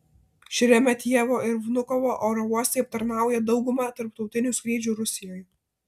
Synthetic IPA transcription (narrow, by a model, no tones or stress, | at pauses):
ʃʲɪɾʲɛmʲɛt̪ʲiɛʋoːɪɾʋnʊkɔʋoːʔoːɾɔuɔst̪ʲɛɪɐp̚t̪ɐɾnɑˑʊjɛd̪ɒʊɡʊmɑːt̪ɐɾpt̪ɒʊt̪ʲɪnʲusʲkɾʲiːd͡ʒʲuːɾʊsʲɪjɔːj